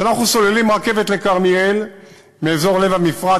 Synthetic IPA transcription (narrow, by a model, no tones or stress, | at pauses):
anaχnuso̞lelimʁake̞vet̪le̞kaʁmiel | meːzo̞ʁle̞vamifʁa